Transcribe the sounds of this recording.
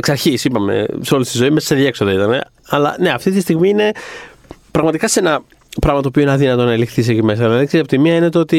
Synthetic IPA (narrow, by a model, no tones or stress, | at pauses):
ksɐɾçisipɐme̞̰seo̞list̪izo̞imeɐ̥seðeksoðɐit̪ɐne̞̰ | ɐlɐ̰ne̞ɐft̪it̪ist̪iɣmiine̞ | pɾɐɣmɐt̪ikɐsenɐ | pɾɐɣmɐt̪opio̞inɐðinɐt̪o̞nɐelixθis̬ecime̞sɐlɐðiksisɐpot̪imiɐinet̪oot̪i